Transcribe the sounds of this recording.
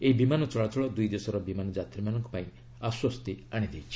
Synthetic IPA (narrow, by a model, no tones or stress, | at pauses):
eibimanɔt͡ʃɔɭat͡ʃɔɭɔd̪ujd̪esɔɾɔbimanɔd͡ʒat̪iɾimanɔŋkɔpaĩ | aswɔst̪iaɽ̃id̪ejt͡ʃʰi̥